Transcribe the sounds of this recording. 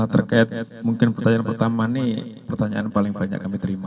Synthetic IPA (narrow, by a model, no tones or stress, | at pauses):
t̪ərkaɪt̪̚muŋkɪnpərt̪aɲaːnpərt̪amanipərt̪aɲaʔanpalɪŋbaɲa̰kːamit̪əɾima